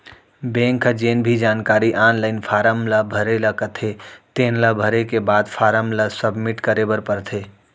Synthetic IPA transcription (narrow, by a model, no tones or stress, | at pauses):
bẽŋkʰd͡ʒenbʱid͡ʒaːnkaɾiʔanləɪnpʰaɾəmləbʱəɾeləkət̪ʰet̪enləbʱəɾekebad̪pʰaɾəmləsəbmiʈkəɾebəɾpəɾt̪ʰe